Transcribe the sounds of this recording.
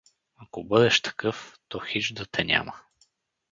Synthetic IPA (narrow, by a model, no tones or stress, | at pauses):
akobɤd̪ɛʃt̪ɐ̥kɤft̪ɔxiʒd̪ət̪ʰɛnʲa̰mə